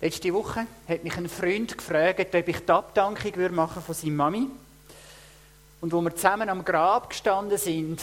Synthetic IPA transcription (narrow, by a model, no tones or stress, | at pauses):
lʔɛt͡ʃtiʋʊχːəhɛtmiχənfryndkfrœːɡətœbiχtɑptɑŋkχiɡʋʏɾmɑχəfosiːmːɑmi | ʊndʋoməɾt͡sæmənɑmɡrɑːpkʃtɑndəsɪnd